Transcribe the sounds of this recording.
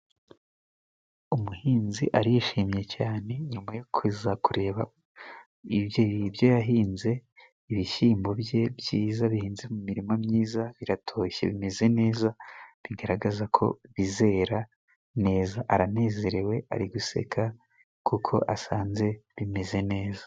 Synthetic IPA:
umuhiːnziʔaɾijiʃiːmje̞caːne̞ɲumajokʰwizakuɾe̞ːβa | iβjejibjojaɦiːnze̞ | iβiʃiːmbo̞bje̞bjiːzaβihiːnzemumiɾimomɲiːzaβiɾatʰo̞ːçe̞̰βime̞ze̞ne̞ːzaβiɡaɾaɡazakʰo̞̰βize̞ːɾa | ne̞ːzaʔaɾane̞ːze̞ɾe̞we̞a̰ɾiɡuse̞̰kʰa | kʰukʰo̞̰ʔasaːnze̞βime̞ze̞ne̞ːzḁ

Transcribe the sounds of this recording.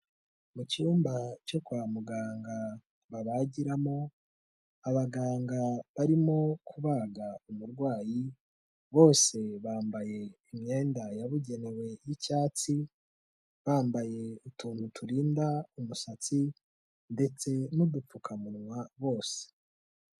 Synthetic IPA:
mucijuːmbat͡ʃo̞kuamuɡaːŋɡa | βaβaɟiɾamo̞ | aβaɡaːŋɡaβaɾimo̞kʰuβaːɡaumuɾɡwaːji | βo̞ːse̞βaːmbaje̞imɲe̞ːndajaβuɟe̞ne̞we̞jicaːt͡si | βaːmbaje̞utʰuːntutuɾiːndaumusat͡si | nde̞t͡se̞nudup͡fukʰamunŋwaβo̞ːse̥

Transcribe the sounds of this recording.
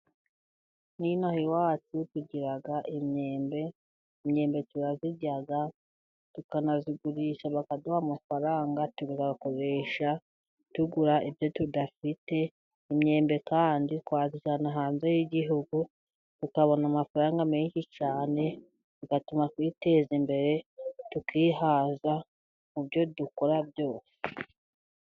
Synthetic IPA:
ninahiwaːt͡situɟiɾaɡaʔimɲe̞ːmbe̞ | imɲe̞ːmbe̞tuɾaziɟaɡa | tukanaziɡuɾiʃaβakaduhamafaɾaːŋɡatuβizaako̞ɾe̞ʃa | tuɡuɾaivjo̞tudafite̞ | imɲe̞ːmbe̞kaːndiwaːziʃanaɦaːnzejiɟiɦuɡu | tukaβo̞namafaɾaːŋɡameɲʃit͡ʃaːne̞ | tukatumakwiːte̞ːzimbe̞ɾe̞tukiːɦaza | mubjo̞duko̞ɾabjo̞ːse̥

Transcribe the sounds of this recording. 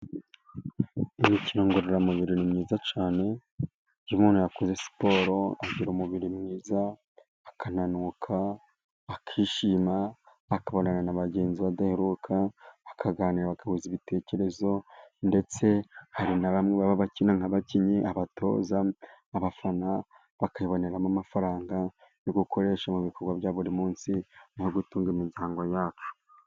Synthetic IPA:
imicino̞ŋɡuɾeɾamuβiɾinimŋiːzat͡ʃaːne̞ | ɟimunojakoze̞si̥po̞ːɾo̞aɟiɾumuβiɾimŋiːzaː | kan̥anukʰaː | kʰiːʃiːmaː | kaβonananaβaɟe̞ːnziβadaheɾukʰaakʰaɡaːniɾaβakahuziβitʰe̞ːce̞ɾe̞zo̞nde̞t͡se̞haɾinaβamŋeβaβaβacinaŋhaβaciɲiʔaβatʰo̞̰ːzaːβafana | βakajiβo̞ne̞ɾamamafaɾaːŋɡa | joɡuko̞ɾe̞ːʃamuβiko̞ɾɡwaβjaːβuɾimuːnsinhoɡutuːŋɡimizaːŋɡwojaːt͡ʃu̥

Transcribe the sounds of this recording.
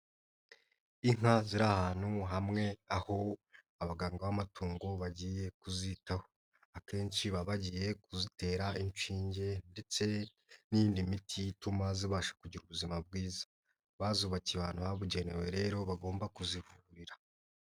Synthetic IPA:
iŋ̥haziɾahaːn̥huɦamŋe̞aho̞ | aβaɡaːŋɡawamatʰuːŋɡo̞βaɟiːje̞kuzitaho̞ | ake̞ːnt͡ʃiβaβaɟiːje̞kuzite̞ːɾaint͡ʃiːɲɟe̞nde̞t͡se̞ | nijiːndimitʰijitumaziβaːʃḁkuɟiɾuβuzimab̚ɡiːzḁ | βaːzuβaciβa̰ːnhuhaβuɟe̞newe̞ɾe̞ːɾo̞βaɡo̞ːmbakuzivuuɾiɾa

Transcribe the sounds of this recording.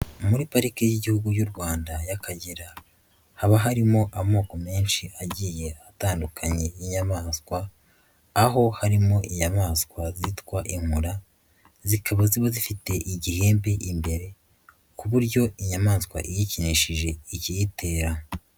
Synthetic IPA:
muɾipaɾikejiɟihuɡuɟuɾɡwaːndajakʰaɟeɾa | haβaɦaɾimo̞ʔamo̞ːko̞me̞ːnʃiʔaɟije̞ataːndukʰaɲe̞jiɲamaːskwaː | ɦo̞haɾimo̞ʔiɲamaːskwazitwaʔiŋ̥huɾa | zikʰaβaziβazifite̞ʔiɟihe̞ːmbe̞ʔimbe̞ɾe̞ | kuβuɾɟo̞iɲamaːskwa̰ʔijiciniʃiʒe̞icijitʰe̞ːɾa

